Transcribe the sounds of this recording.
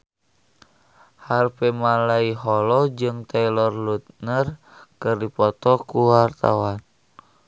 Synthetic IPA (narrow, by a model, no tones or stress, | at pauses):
harpɛmalaiɦɔlɔd͡ʒɨŋt̪ɛlɔrlut̪̚nər | kɨrdipɔt̪ɔkuwart̪a̰wan